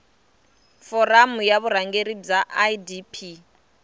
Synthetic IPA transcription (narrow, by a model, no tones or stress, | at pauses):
fɔramujaβuɾaŋɡeɾib͡ʐaʔadipʰi